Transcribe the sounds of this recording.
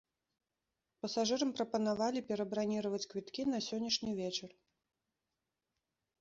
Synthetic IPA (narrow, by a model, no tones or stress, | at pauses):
pɐsaʐɨɾɐmpɾɐpɐnavalʲipʲɛɾɐbɾanʲiɾɐvɐt͡sʲkvʲit̪kʲinɐsʲɔnʲːɐʂnʲivʲɛt͡ʂɐr